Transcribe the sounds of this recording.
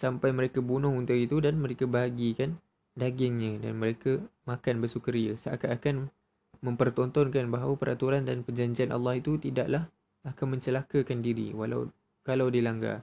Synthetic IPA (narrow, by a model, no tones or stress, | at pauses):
sampajməɾekabunʊhunt̪ʊkit̪udanmə̃ɾekabaɡikan | daɡɪŋɲãda̰nməɾekamakanbərsukəɾiə̰saakaakan | mə̃mpərt̪ɔnt̪ɔnkanbaɦawapəɾa̰t̪uɾandanpərd͡ʒaɲd͡ʒianʔa̰lːɑhit̪ut̪ida̰ʔlah | akanmə̃ɲt͡ʃəlakakandiɾḭwa̰la̰w | kalawdilaŋɡa̰